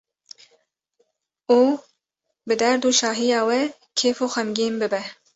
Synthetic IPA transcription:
oː | bɨd̪ɛɾd̪uːʃɑːɦijɑːwɛ | kʰeːfoːxɛmɡiːmbɨbɛ

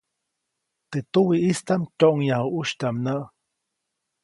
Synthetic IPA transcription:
t̪et̪uwiʔist̪amcoʔŋjahuʔuʃt̪amnəʔ

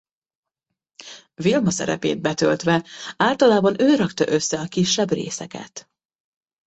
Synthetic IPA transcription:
vilmɒsɛ̰ɾɛ̰pḛːd̪̚bɛt̪ølt̪ʋɛaːlt̪ɒlaːbɒnøːɾɒkt̪ɒʔø̞sːɛɒkiʃːɛbrḛːsɛkɛ̰t̪

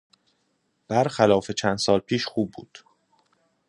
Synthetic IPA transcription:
b̥æɾxælɒːfe̞t͡ʃʰænd̪sɒːlpʰiːʃxuːb̚ːuːd̪̥

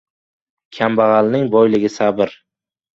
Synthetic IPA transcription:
kʲʰambaʁɑlnɪŋbɒjlɪɡʲɪsabɪɾ

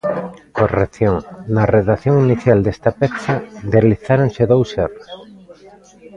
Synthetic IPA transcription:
koreθjoŋnɐreðaθjoŋiniθjald̪est̪apeθɐd̪eliθaɾoŋseðowseros

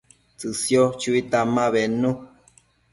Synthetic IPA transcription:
t͡sɨsjot͡ʃuit̪amãβenu

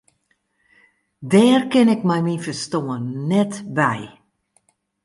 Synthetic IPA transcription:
dɛːrkɪnɪkmɛjmifəstoːənːɛtbɛj

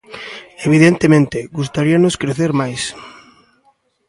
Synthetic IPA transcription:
eβ̞iðent̪emẽnt̪ɪɡust̪aɾianʊskɾeθeɾmajs

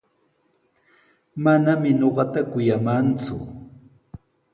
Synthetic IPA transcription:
manamɪɲoɢɑt̪akʊjamant͡sʊ̰

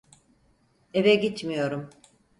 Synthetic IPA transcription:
e̞vɛɟit͡ʃmijo̞ɾum

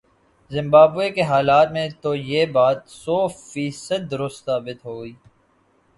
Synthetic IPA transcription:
zɪ̃mbaːbuekeɦaːlaːt̪mẽt̪ojeːbaːt̪sɔːfiːsəd̪̚ːʊɾʊst̪saːbɪt̪ɦoːiː

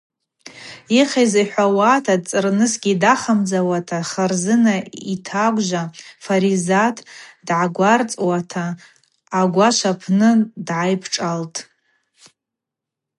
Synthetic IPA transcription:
iχajzaħʷawaːtʰad̚t͡sʼɨrnɨsɡʲidaχamd͡zawatʰaχarzɨnaitʰaɡʷʼʒʷafaɾizatʰdʕaɡʷart͡sʼwatʰaː | ɡʷaʃʷapʰnɨdʕajpʰʈ͡ʂʼaltʼ

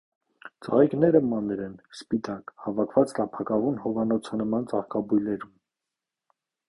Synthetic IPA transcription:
t͡sɑ̰ʁiknɛɾəmɑnɾɛnspit̪ɑkhɑvɑkʰvɑt͡slɑpʰɑkɑvunhɔvɑnɔt͡sʰənəmɑnt͡sɑχkɑbujlɛɾum

